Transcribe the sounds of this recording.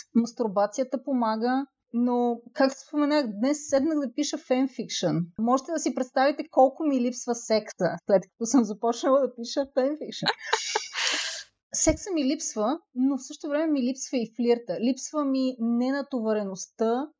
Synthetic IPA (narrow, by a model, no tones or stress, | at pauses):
mɐst̪uɾbat̪sijət̪əpomaɡə | nokak̚t̪osspomɛnaxd̪nɛsːɛd̪nəɡd̪ɐpiʃəfɛnfikʃənmɔʒɛt̪ɛd̪ɐsipɾɛt̪st̪avit̪ɛkɔlˠkʊmilipsvəsɛksə̰slɛt̪kɐ̥t̪ɔsəmzɐpɔt͡ʃnəlˠəd̪ɐpiʃəfɛnfikʃə | sɛksəmilipsvənofsɤʃt̪ovɾɛmɛmilipsvəifliɾt̪əlipsvəminɛnɐt̪ovɐɾɛnost̪ə